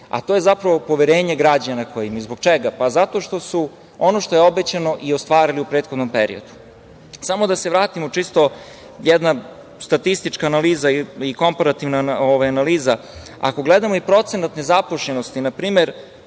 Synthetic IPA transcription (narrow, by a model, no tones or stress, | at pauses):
a̰t̪ojezapɾaʋo̞po̞ʋeɾe̞ːɲe̞ɡɾad͡ʑanakʰojimaizboɡ̚t͡ʃeɡapazat̪o̞ʃt̪o̞su | o̞no̞ʃt̪ojeo̞bet͡ɕano̞ʔiost̪ʋaːɾiliupɾeːt̪xod̪no̞mpeɾḭo̞̰d̪u̥ | samo̞d̪aseʋɾaːt̪imot͡ʂist̪o | jɛd̪na | st̪at̪ist̪it͡ʃkaːnaliːzaiiko̞mpaɾat̪iʋnaaoʋajanaliːza | a̰ko̞ɡled̪amo̞ipɾo̞t̪senat̪ne̞zapoʃɲenost̪inapɾiːmeɾ